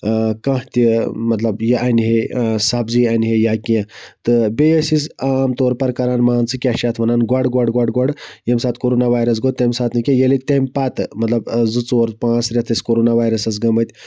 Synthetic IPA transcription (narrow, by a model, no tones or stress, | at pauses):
kɐ̃ɦt̪imɐt̪lɐbjeʔanɦesabd͡zianʲɦejakiẽt̪ɨbejəsisamt̪oɾpɐɾkaɾanmant͡sɨkʲaɕat̪ʰmɐnanɡwaɽɡaɽɡwaɽɡwaɽjemsat̪koɾonaʋajɾɐs̬ɡot̪ːemʲsat̪nikʲẽjelik̪̚t̪emʲpat̪mɐt̪lɐbzɨt͡suʋɐɾpãsɾʲet̪ʰəskoɾonaʋajɾəsɐs̬ɡɐmət̪ʲ